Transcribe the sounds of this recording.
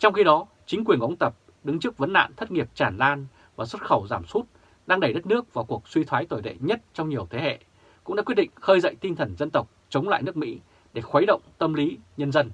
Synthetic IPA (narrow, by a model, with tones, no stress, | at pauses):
t͡ɕɔ˧wŋ͡mxi˧ɗɔ˨˦ | t͡ɕï˨˦kwi˨˩ənʔə˨˦ŋ͡mt̪ə˨˩p̚ | ɗɨ˨˦ŋt͡ɕɨ˦˥k̚və˨˦nːa̰ː˧˨nt̪ʰə˦˥t̚ŋi˨˩əp̚t͡ɕaː˧˩nlaː˧n | vaː˨˩swə˦˥t̚xə˧˩wzaː˧˩msu˦˥t̚ | ɗaː˧ŋɗə˧˩jɗə˦˥t̚nɨ˦˥ək̚vaː˨˩wku˨˩ək̚swi˧t̪ʰwaː˨˦jt̪o˨˩jɗḛ˧˨ɲə˦˥t̚t͡ɕɔ˧wŋ͡mɲi˨˩əwt̪ʰe˨˦ɦḛ˧˨ | kʊ̰˧˥ŋ͡mɗa̰ː˧˥kwt̚ɗḭ˧˨ŋ̟xəː˧jzə̰˧˨jt̪i˧nt̪ʰə˨˩nzə˧nt̪ə˨˩wk͡p̚t͡ɕə˨˦wŋ͡mla̰ː˧˨jnɨ˦˥ək̚mḭ˧˥ | ɗe˧˩xwə˨˦jɗə̰˧˨wŋ͡mt̪ə˧mli˨˦ɲə˧nzə˧n